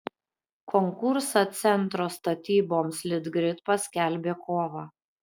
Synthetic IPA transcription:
kʰɔŋkʊɾsɐt̪sʲɛnt̪ɾoːst̪ɐt̪ʲiːboːmslʲɪd̪ɡɾʲɪt̪pɐsʲkʲɛlʲbʲeːkoːʋɑː

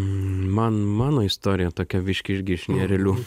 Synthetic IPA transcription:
mɑnmɑːnoːɪst̪oːɾʲɪjɛt̪oːkʲɛʋʲɪʃʲkʲɪʒʲɡʲɪʃnʲɛɾʲɛlʲu

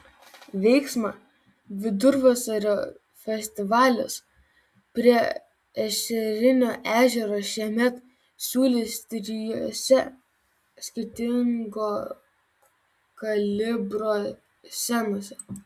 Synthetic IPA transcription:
ʋʲɛɪksmɑ | ʋʲɪd̪ʊɾʋɑsɐɾʲoː | fʲɛsʲt̪ʲɪʋɑːlʲʊ̰s | pʲɾʲiɛ | ɛʃʲɛɾʲɪnʲoːʔæːʒʲɛɾoːʃʲiɛmʲɛt̪ | sʲuːlʲɪsʲt̪ʲɾʲɪjoːsʲɛ | sʲkʲɪɾʲt̪ʲɪŋɡoː | kɐlʲɪbɾoː | sʲænoːsʲɛ

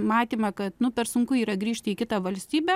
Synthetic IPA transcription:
mɑːt̪ʲiːmɐkɐt̪nʊpʲɛɾsʊŋkʊiːɾɐɡɾʲiːʃʲt̪ʲɪiːkʲɪt̪ɐʋɐlʲsʲt̪ʲiːbʲɛ

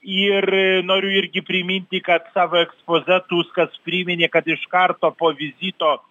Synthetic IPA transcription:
ɪrnoːɾʲʊɪɾʲɡʲɪpʲɾʲɪmʲinʲt̪ʲɪkɐt̪sɑːʋoːɛkspoːzʲɛt̪uːskɐspʲɾʲɪmʲɪnʲeːkɐt̪ɪʃkɐrt̪oːpoːʋʲɪzʲiːt̪oː

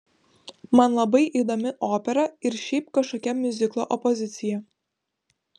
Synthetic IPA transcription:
mɐnlˠɐbɐɪʔiːd̪omʲɪʔoːpʲɛɾɐɪɾʃʲɛɪp̚kɐʃkoːkʲɛmʲʊzʲɪklˠo̰ʔɔpɔzʲɪt̪sʲɪjɛ

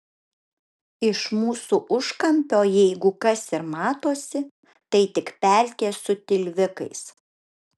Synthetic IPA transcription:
ɪʃmuːsuːʔʊʃkɐmʲpʲoːjɛɪɡʊkɐsɪɾmɑːt̪oːsʲɪ | t̪ɐɪt̪ʲɪkpʲæˑlʲkʲeːsʊt̪ʲɪlʲʋʲɪkɐ̰ɪs

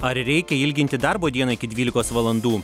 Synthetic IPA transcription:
ɐɾɾʲɛɪkʲɛɪlʲɡʲɪnʲt̪ʲɪd̪ɐɾboːd̪ʲiɛnɐɪkʲɪd̪ʲʋʲiːlʲɪkoːsʋɐlˠɐnd̪uː

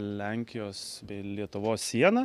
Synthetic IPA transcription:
lʲɛŋʲkʲɪjoːsbʲɛɪlʲiɛt̪ʊʋoːssʲiɛnɐ

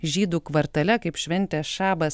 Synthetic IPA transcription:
ʒʲiːd̪uːkʋɐɾt̪ɐlʲɛkɐɪpʃʲʋʲɛnʲt̪ʲɛːsʃɑːbɐs

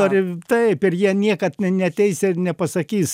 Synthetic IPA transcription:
oɾʲɪt̪ɐɪpɪrjiɛnʲiɛkɐt̪ʲnʲɛt̪ʲɛɪsɪrnʲɛpɐsɐkʲiːs

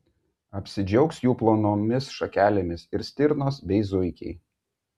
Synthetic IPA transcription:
ɐpʲsʲɪd͡ʒʲɛʊksjuːplˠoːnoːmʲɪsʃɐkʲæːlʲemʲɪsɪɾsʲt̪ʲɪɾnoːsbʲɛɪzʊɪkʲɛ̰ɪ

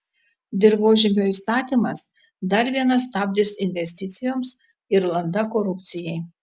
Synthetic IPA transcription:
d̪ʲɪɾʋoːʒʲɪmʲoːist̪ɑːt̪ʲimɐs | d̪ɐɾʋʲiɛnɐst̪ɑːbʲd̪ʲɪsɪnʲʋʲɛsʲt̪ʲɪt̪sʲɪjoːms | ɪɾlˠɐnd̪ɐkoɾʊpʲt̪sʲɪjɛɪ

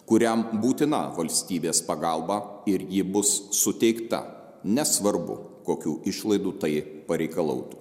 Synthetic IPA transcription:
kʊɾʲɛmbuːt̪ʲɪnɐ̰ʋɐlʲsʲt̪ʲiːbʲeːspɐɡɑlˠbɑːɪɾjɪbʊsːʊt̪ʲɛɪkt̪ɐ̰ | nʲɛsʋɐɾbʊ̰koːkʲuːɪʃlˠɐɪd̪uːt̪ɐɪpɐɾʲɛɪkɐlˠɐ̰ʊt̪u̥

